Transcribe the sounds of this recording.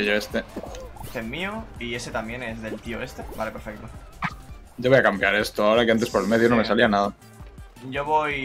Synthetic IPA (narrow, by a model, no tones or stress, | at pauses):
eʎoe̞st̪eest̪eɦmioie̞se̞t̪amje̞ne̞zðe̞lt̪ioe̞st̪e̞ba̰le̞pe̞ɾfe̞k̚t̪o | ɟ͡ʝoo̞jakambjaɾe̞st̪oao̞ɾakiant̪e̞spoelme̞ðjono̞me̞salianaða | ɟ͡ʝo̞βoj